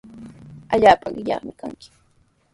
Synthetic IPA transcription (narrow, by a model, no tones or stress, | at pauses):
aʎaːpaɢɪʎɑ̰χmɪkaŋkɪ̥